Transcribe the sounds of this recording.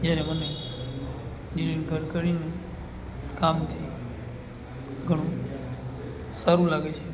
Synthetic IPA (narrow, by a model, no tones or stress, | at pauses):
d͡ʒjaɾeməne | d͡ʒɪlinɡʱəɾkəɾine | kaːmt̪ʰi | ɡʱəɽ̃ũ | saɾũlaɡet͡ʃʰe